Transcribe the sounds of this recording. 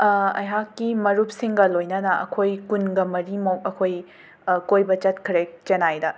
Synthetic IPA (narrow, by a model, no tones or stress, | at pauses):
ɐ̰jɦakːimɐɾup̚siŋɡɐlojnɐnɐɐ̰kʰojkunɡɐmɐɾimokɐkʰoj | kojbɐt͡ʃɐtkʰɾek̚t͡ʃɐnajdɐ